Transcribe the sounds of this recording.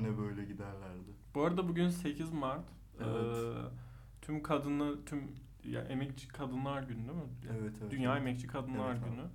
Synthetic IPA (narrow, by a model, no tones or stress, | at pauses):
nɛbøjlʲɛɟid̪æɾlʲæɾd̪ɪbuoːɾad̪ɛbuɟynse̞cʰizmaɾt̪ | ɯ | t̪ʰymkʰad̪ɯnˠat̪ʰym | ja̰ʔemɛc̚t͡ʃʰi̥kʰad̪ɯnlˠaɾɟynyd̪emɪɛvɛt̪ʰɛvd̪ynnjaːemɛc̚t͡ʃʰikʰad̪ɯnlˠaɾɟyny